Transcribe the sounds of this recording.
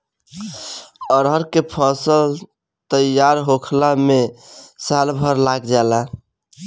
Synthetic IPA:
əɾɦəɾkepʰəsəl | t̪əjaɾɦokʰlamesalbʱəɾlaɡd͡ʒala

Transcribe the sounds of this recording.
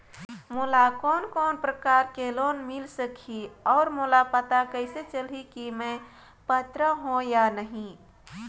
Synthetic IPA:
molakɔːnkɔːnpɾəkaɾkelonmilsəkʰiɔːɾmolapət̪akəɪset͡ʃəlikimẽ | pət̪ɾəɦõjanəɦĩ

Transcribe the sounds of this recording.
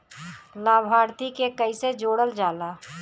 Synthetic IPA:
laːbʱaːɾt̪ikekəised͡ʒoːɽəld͡ʒaːlaː

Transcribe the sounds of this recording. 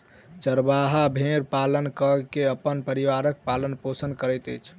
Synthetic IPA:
t͡ʃəɾbaɦabʱẽɾpalənkəkeəpːənpəɾiwaɾək̚palənposənkəɾɛjt̪ə̰jt͡ʃʰ

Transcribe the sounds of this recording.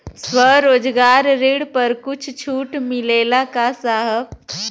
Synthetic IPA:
swəɾoːd͡ʒɡaːɾːiɽpəɾkʊt͡ʃʰt͡ʃʰuːʈmɪleːlakasaɦəp

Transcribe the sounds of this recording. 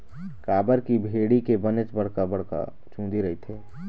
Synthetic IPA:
kaːbəɾkibʱeːɽikebənet͡ʃbəɽ̤kabɐɽ̤ka̰ | t͡ʃʰũːd̪iɾɐɦit̪ʰeː

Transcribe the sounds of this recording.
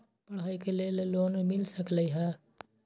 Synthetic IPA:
pəɽɦaːikeleːleloːnmɪlsəkləiɦɛː

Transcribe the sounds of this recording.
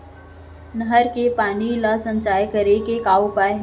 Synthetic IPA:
nəɦəɾkepaːnilasə̃ɲt͡ʃaːjkəɾekekaːopaːeɦ

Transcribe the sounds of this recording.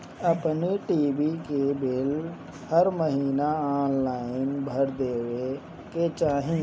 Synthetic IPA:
əpniʈiːbikebɪl | həɾməɦiːnaaːnlaːɪnbʱəɾd̪eːʋe | ket͡ʃaːɦĩ

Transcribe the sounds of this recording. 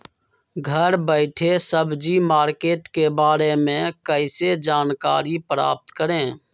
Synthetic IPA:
ɡʱəɾbəɪʈʰesəbd͡ʒimaːɾkeːʈkebaːɾemẽkəɪsed͡ʒaːnka̰ːɾipɾa̰ːp̚t̪kəɾẽː

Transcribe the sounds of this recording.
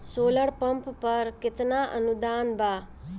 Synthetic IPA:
soːləɽpəmppəɾkɪt̪naʔə̰nud̪aːnbaː

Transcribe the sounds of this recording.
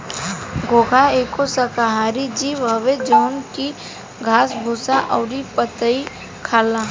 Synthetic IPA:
ɡoːɡʱaekosəkaɦaːɾid͡ʒiːʋɦɐʋed͡ʒɔːnki | ɡʱaːsbʱuːsaʔɔːɾipət̪əi | kʰaːla

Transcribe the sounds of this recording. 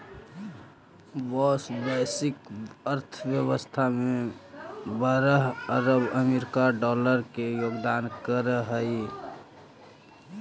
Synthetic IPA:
ʋɔsbɛsikəɾt̪ʰʋjəwəst̪ʰame | bəɾəɦəɾəbəmeɾikaɖɔləɾkejoɡd̪aːnkəɾəɦəi

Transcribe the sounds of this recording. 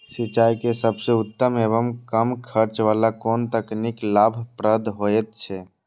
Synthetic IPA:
sit͡ʃaikesəbseut̪ːəmeβəmkəmkʰəɾt͡ʃʋalakoːnt̪əkniklaːbʱpɾəd̪ʱɦoɛt̪̚t͡ʃʰɛ

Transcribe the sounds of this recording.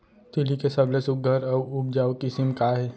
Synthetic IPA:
t̪ɪlikesɐblesʊk̚ɡʱəɾɐʊb̚d͡ʒaːwkɪsɪmkaːɦɛː

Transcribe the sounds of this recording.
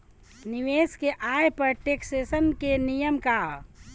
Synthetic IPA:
nɪʋeːskeʔaːjpəɾʈeːkseːsənkenijəmka

